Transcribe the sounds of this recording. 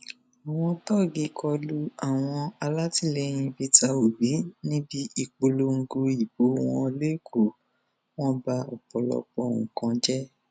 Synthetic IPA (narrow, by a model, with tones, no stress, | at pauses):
a˨w̃ɔ̃˧tɔ˦˨ɡi˧˦kʰɔ˧lu˦a˦˨w̃ɔ̃˧a˧la˦ti˦˨lɛ˧˦j̃ĩ˧bi˦ta˧o˨bi˨˦nĩ˦bi˦i˨k͡po˧lo˧˦ŋ̩˧ɡo˧i˨bo˨˦w̃ɔ̃˧le˦kʰo˨ | w̃ɔ̃˦ba˧ɔ˨k͡pɔ˨lɔ̰˧k͡pɔ˧˨ŋũ˨kã˧d͡ʒɛ˦